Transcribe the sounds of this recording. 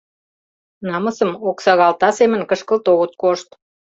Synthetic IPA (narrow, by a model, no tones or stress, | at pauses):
nɑməsəmoksɑɣɑlt̪ɑsemə̆nkəʃkəlt̪oɣət̪̚koʃt̪